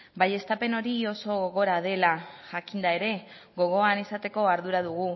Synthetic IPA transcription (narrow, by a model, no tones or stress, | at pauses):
baje̞st̪ape̞no̞ɾio̞so̞ɣoɣo̞ɾaðe̞laʝakind̪ae̞ɾe̞ | ɣo̞ɣ̞o̞anisat̪e̞ko̞aɾðuɾaðuɣu